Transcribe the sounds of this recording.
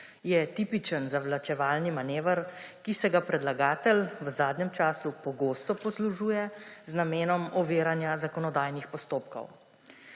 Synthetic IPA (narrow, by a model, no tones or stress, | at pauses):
jɛt̪iːpit͡ʃənzaʋlat͡ʃɛʋaːlnimaneːʋəɾkisɛɡapɾɛd̪laɡaːt̪əlʋəzaːd̪nɛmt͡ʃaːsupɔɡoːst̪ɔpɔsluʒuːjɛznameːnɔmɔʋeːɾanjazakɔnɔd̪aːjnixpɔst̪oːp̚kɔ̰w